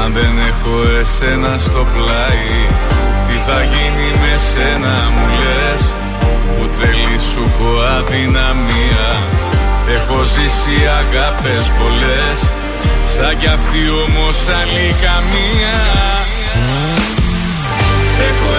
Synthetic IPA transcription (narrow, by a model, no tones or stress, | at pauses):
ɐnðe̞ne̞xoese̞nɐst̪o̞plɐi | t̪iθɐʝinime̞senɐ | mule | s | put̪ɾe̞lisukoɐðinɐmiɐ | exo̞zisiɐɣɐpespo̞le̞ | s | sɐɟɐft̪io̞mo̞sɐlikɐmiɐ | ex